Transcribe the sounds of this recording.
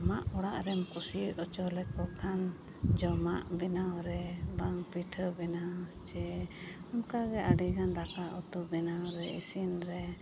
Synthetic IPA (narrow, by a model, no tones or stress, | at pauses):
maʔɔɽaʔɾɛmkusiʔɔt͡ʃɔlɛkɔkʰan | d͡ʒɔmaʔbɛnawɾɛbaŋpiʈʰəbɛnat͡ʃɛamkaɡɛʔaɖiɡanɾakaʔut̪ubɛnawɾɛḭsinɾɛ